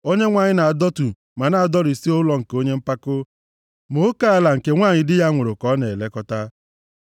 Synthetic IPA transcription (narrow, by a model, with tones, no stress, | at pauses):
o˦ɲe˦ŋʷa˨ɲɪ˦na˨a˨dɔ˦tu˨ | ma˨na˨a˨dɔ˦ɾi˨si˦o˦lɔ˦ŋ̩˨ko˦ɲe˦m̩˦pa˦kʊ˦ | mo˨˦ka˦a˨la˨ŋ̩˨ke˦ŋʷaː˦˨ɲɪ˨dɪ˦ja˦ŋʷʊ˨ɾʊ˨kɔ˦ne˨le˦kɔ˦ta˦